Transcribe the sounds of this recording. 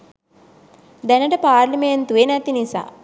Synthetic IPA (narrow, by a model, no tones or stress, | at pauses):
d̪enɐʈɐpaːɾlɐment̪uenɐt̪inisa̰